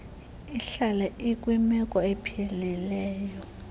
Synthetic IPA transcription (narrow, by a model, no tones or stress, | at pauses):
iɬalɛikʼwimɛkʼɔepʰililɛːjɔ